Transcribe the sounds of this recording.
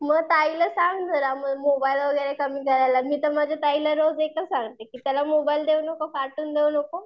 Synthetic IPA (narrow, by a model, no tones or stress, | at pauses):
məɡt̪ailəsãŋɡd͡z̪ʱəɾaməɡmobailʋəɡəɾekəmiːkəɾajlamiːt̪əmad͡ʑʱat̪ailəɾod͡zekʰləsãŋɡt̪ekiːt̪jalamobaild̪eunəkofaɾʈuːnd̪eunəko